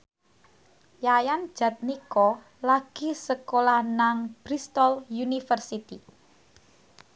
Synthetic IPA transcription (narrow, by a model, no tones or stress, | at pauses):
jajan̥ʒ̥ä̤t̪̚nikɔ | laɡ̥i̤səkolahnaŋb̥ɾist̪ɔljunifərsit̪ḭ